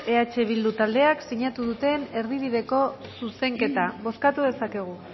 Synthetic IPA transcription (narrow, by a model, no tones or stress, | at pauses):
e̞at͡ʃe̞β̞ild̪ut̪ald̪e̞aksiɲat̪uð̞ut̪e̞ne̞ɾðiβ̞iðe̞ko̞suse̞ŋke̞t̪aβo̞skat̪uðe̞sake̞ɣ̞u